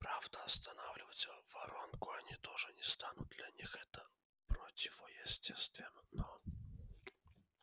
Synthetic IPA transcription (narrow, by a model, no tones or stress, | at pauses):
pɾavd̪əɐst̪ɐnavlʲɪvət͡sʲvɐɾonkʊɐnʲit̪oʐɨnʲɪst̪anʊd̪̚d̪lʲɐnʲixɛt̪ə | pɾotʲɪvojɪsʲtʲest̪vʲɪnnɔ